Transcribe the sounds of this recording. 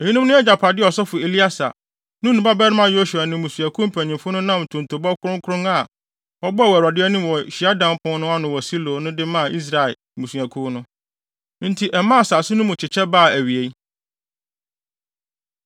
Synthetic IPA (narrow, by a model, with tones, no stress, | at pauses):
e˨i˦nʊ̃˦m˦nʊ̃˦ɛ˦d͡ʑa˨pʰa˨dɪ˦ɔ˨sɔ˦fʊ˨e˨li˦a˦sa̰˨ | nʊ̃˦nũ˨ba˦bɛ˦nɪ˦mã˨jo˦su˨a˨nɪ̃˨mũ˨sũ˨æ˨kʰʊ̃˦m̩˨pʰæ˨ɲĩ˨mfʊ˦nʊ̃˦nã˦m˨tʰʊ̃˨n˨tʰo˨bɔ˦kʰʊ˦ɾʊ̃˦ŋ˦kʰʊ˦ʊ̃˦ŋa˨ | ɔ˦bɔ˦a˦˨wæ˨a˨dɪ˦ɛ˦nĩ˦m˨wɔ˨ɕi˨a˦dã˦m˦pʰʊ̃˦nʊ̃˦a˦nʊ̃˨wɔ˨si˦lo˨nʊ̃˦dɪ˦mã˦˨ʔi˦s̬ɾa˨ɪ˨ | mũ˨su˨æ˨kʰũ˦nʊ̃˦ | n̩˦tʰi˨ʔɛ˨mã˦˨saː˨sʊ̃˦nʊ̃˦mʊ̃˨t͡ɕʰɪ˨t͡ɕʰɛ˦baː˦˨æ˨ɥi˨e˨i˦